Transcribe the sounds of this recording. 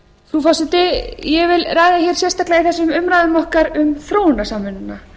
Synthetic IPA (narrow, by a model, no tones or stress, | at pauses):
θufasɪt̪ɪjɛvɪlraːjðaçɛɾ̥sjɛrst̪ahklɛɣaθɛsːʏmʏmɾajðʏmɔhkaɾʏmθɾoːwʏnːasaːmːʏnɪnːa